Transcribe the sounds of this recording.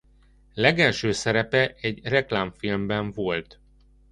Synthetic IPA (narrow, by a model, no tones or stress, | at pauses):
lɛɡɛlʃøːsɛɾɛpɛʔɛɟrɛklaːɱfilmbɛɱvo̞lt̪